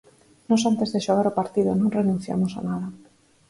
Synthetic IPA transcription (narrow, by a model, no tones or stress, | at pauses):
nɔsant̪ezðeʃoɣaɾopaɾt̪iðonõŋrenũn̟θja̰mosa̰nað̞a